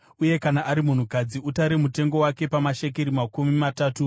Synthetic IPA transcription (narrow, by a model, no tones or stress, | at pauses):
uje̞kanaʔaɾimun̤ukad͡ziutaɾemute̞ŋɡo̞wake̞pamaʃe̞k̬eɾimakumimataːtu